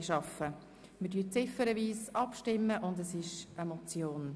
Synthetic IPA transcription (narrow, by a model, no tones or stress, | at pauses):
ʃɑfə | mədyːt͡sɪfəɾəviːsɑpʃtɪmːəʔʊndəsɪʃəmɔt͡sjoːn